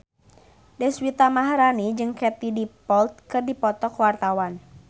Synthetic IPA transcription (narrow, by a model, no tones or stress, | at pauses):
dɛswit̪amaɦɾanid͡ʒɨŋkɛt̪idipɔlt̪̚kɨrdipɔt̪ɔkwart̪awan